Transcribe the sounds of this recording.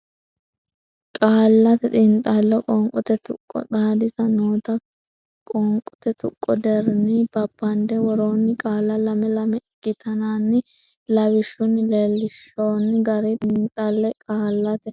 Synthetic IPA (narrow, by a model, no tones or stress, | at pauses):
kʼaːlːɐt̪ɛt̪ʼɪnt̪ʼːɐlːɔkʼɔŋkʼʊt̪ɛt̪ʊkʼːɔ̰t̪aːd̪ɪsɐnoːt̪ɐ | kʼɔŋkʼʊ̥t̪ɛt̪ʊ̰kʼːɔd̪ɛɾnɪb̥ɐbːɐnd̪ɛwɔɾoːnːɪkʼaːlːɐlɐmɛlɐmɛɪɡːɪt̪ʰɐnaːnːɪ | lɐwɪʃʊnɪleːlːɪʃːoːnːɪɡɐɾɛt̪ʼɪnt̪ʼːɐlːɛkʼaːlːɐt̪ɛ